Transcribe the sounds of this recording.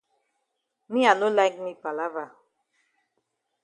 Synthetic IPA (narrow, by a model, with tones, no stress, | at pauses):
mi˦a˨no˦la˦ɪkmi˦pa˨la˦va˨